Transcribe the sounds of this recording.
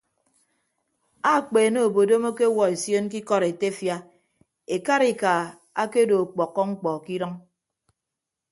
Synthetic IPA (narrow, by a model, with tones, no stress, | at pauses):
a˦˨k͡pe˨no˦˨o˨bo˨do˦mo˦ke˦wɔ˨e˨sjo˦nk̬i˦kɔ˦ɾe˨te˦fja˦ | e˨ka˦ɾi˨ka˨ | a˦ke˦do˨k͡pɔ˨kːɔ˦ŋ͡m̩˦k͡pɔ˨ki˦ɾɔ˦ŋ